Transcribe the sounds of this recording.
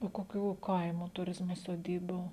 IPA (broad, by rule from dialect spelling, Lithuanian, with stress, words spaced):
oː koːˈkʲuː ˈkɐɪmoː tʊˈrʲɪzmoː soːˈdʲiːbuː